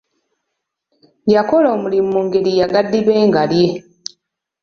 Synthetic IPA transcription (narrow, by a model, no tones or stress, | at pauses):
jako̞loːmulimːuːŋɡe̞ɾijaɡadːiβe̞ːŋɡalje̞